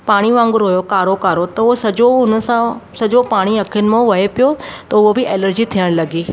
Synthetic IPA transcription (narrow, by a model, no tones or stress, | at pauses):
paːɽ̃iʋãːŋɡʊɾɦujokaːɾokaːɾot̪ɐʊɦosɐd͡ʑoʊn̆sãsɐd͡ʑopaːɽ̃iɐkʰijʊnɪ̆mãʋɐɦepijot̪ɐʊɦobɪʔeːləɾd͡ʑit̪ʰijəɽ̃lɐɡiː